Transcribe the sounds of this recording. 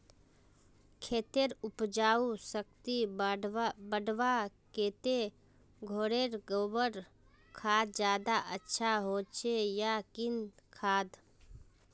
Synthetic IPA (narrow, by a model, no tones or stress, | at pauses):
kʰeːt̪eɾʊpd͡ʒaːusək̚t̪i | bəɖʋakeːt̪e | ɡʱoɾeɾɡoːbəɾ | kʰaːd̪d͡ʒjaːd̪aʔətːʃʰaɦoːt͡ʃejakɪnkʰaːd̪